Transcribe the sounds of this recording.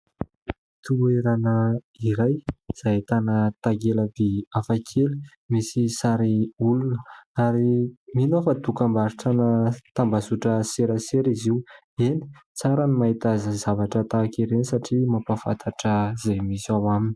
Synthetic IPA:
t̪ueɾanə | iɾajz̥aet̪anət̪aɡeləbiafakʰelu | misisaɾiulunəaɾiminofat̪ukambaɾiʈ͡ʂanət̪ambazuʈ͡ʂəseɾaseɾiziw | eni̥t͡saɾanimait̪azəzavaʈ͡ʂət̪aːkiɾenisaʈ͡ʂimapafa̰nt̪ʰaʈ͡ʂəzejmisawamini̥

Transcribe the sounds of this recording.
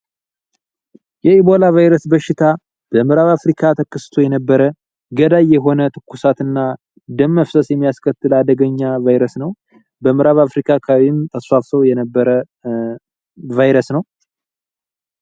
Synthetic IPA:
jɛibo̞lavajɾəsbəʃːɪt̪ʰa | b̥əmɨɾaβafɾikʰat̪ʰəkːɨst̪ʰo̞jɛnəbːəɾə | ɡəd̪ajːɛɦo̞nət̪ʰɨkːusat̪ɨnːa | d̪əmːəfsəsjɛmːijaskʰət̪ːɨlad̪əɡəɲːavajɾəsnəw | bəmɨɾaβafɾikʰakʰawimt̪ʰəsfafsəwjɛnəbːəɾə | vajɾəsnəw

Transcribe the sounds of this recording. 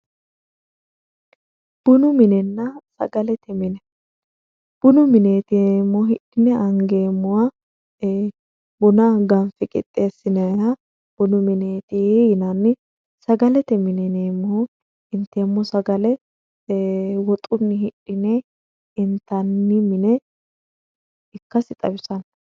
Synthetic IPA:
b̥ʊnʊmɪnɛnːɐsɐɡɐlɛt̪ɛmɪnɛ | b̥ʊnʊmɪneːt̪emːɔhɪᶑɪnɛʔɐŋɡe̞ːmːʊwa | bʊnaɡɐnfɪkʼɪ̰t̪ʼːe̞ːsːɪnɐja | b̥ʊnʊmɪneːt̪ɪhɪnɐnːɪ | sɐɡɐlɛt̪ɛmɪnɛneːmːɔ | ɪnt̪eːmːɔsɐɡɐlɛ | wɔt̪ʼʊnːɪhɪᶑːɪnɛ | ɪnt̪ːɐnːɪmɪnɛ | ɪkːɐsɪt̪ʼɐbɪsɐn

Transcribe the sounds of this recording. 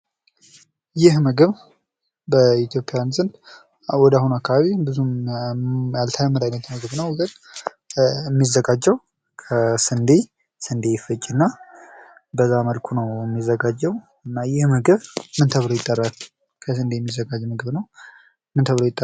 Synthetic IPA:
jɪhməɡɨβ | bəit̪jo̞pʼːjanzʼɨnd̪ | wɔd̪ahunakʰːaβaβibɨzum | jalt̪ʰajmɨd̪ajnət̪məɡɨβnəwzɨn | mːizːəɡad͡ʒːɛw | kʰəsɨnd̪e | sɨnd̪ejfɨt͡ʃʼːɪnːa | bəzːaməlkʰunəwjɛmːizːəɡad͡ʒːɛw | ɨnːajɪhməɡɨβmɨnt̪ʰəβlojɪt̪ʼːərːal | kʰəs̬ɨnd̪ejɛmːizːəɡad͡ʒːməɡɨβnəw | mɨnt̪ʰəβlojɪt̪ʼːə

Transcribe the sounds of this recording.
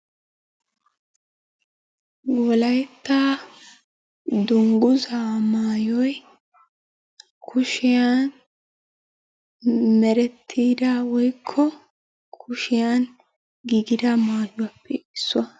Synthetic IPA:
ɡolɐjt̪ːaː | d̪ʊŋɡʊzaːmaːjɔj | kʰʊʃɪjan | mɛɾɛt̪ʰːiːd̪awɔjkʰːɔ | kʰʊʃɪjan | ɡiːɡɪd̪amaːjʊwapːɛɪsːʊwɐ

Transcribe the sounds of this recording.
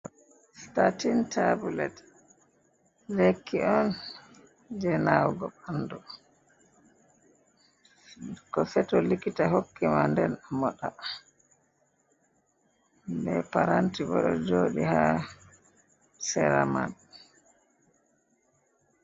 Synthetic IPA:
statintabulɛt | lekːiɔn | d͡ʒɛnawɡɔɓandɔ | kɔfɛtɔlikitaɦokːimandɛnmɔɗa | bɛpaɾantibɔ̰ɗɔ̰d͡ʒoːɗiha | sɛɾama̰n

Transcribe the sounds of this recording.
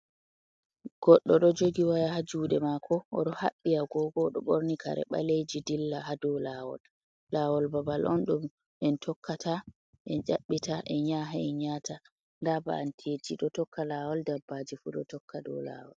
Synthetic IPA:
ɡ̥ɔɗːɔɗɔd͡ʒoɡiwajahad͡ʒuːdɛmakʰɔːɗɔhaɓːijaɡɔɡɔɗɔɓoɾnikʰa̰ɾɛ̰ɓa̰led͡ʒidilːahadɔlaːwɔ̰lː | aːwɔlbabalʔɔnɗum | ʔɛntʰɔkʰːatʰa | ʔɛnd͡ʒaɓːitaʔɛɲaɦaɛɲatʰa | ndaba̰ːntʰed͡ʒiɗɔtɔkːalaːwɔldabːad͡ʒifuɗɔ̰tɔkʰːadɔ̰la̰ːwɔ̰l

